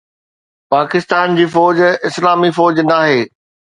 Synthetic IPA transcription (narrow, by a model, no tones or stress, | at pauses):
paːkɪst̪aːnd͡ʑiːfɔːd͡ʑɪslaːmifɔːd͡ʑnaːɦeː